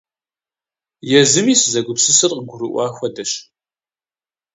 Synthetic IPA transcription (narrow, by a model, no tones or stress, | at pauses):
jɛzɨmiːsɨzɐɡʷʊpsɨsɨrqəɡʷʊɾɨʔʷɑːxʷɐdɐɕ